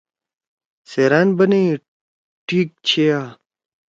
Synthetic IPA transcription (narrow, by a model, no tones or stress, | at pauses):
seːɾaːnbɐne | ʈʰiːk̚t͡ɕʰeaː